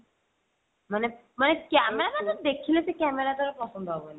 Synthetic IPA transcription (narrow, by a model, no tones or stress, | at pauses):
mane | manekɛmɛɾabad̪ɔd̪ekʰilesɛkɛmɛɾad̪ʱɔɾepɔsɔnd̪ɔɦɔbɔna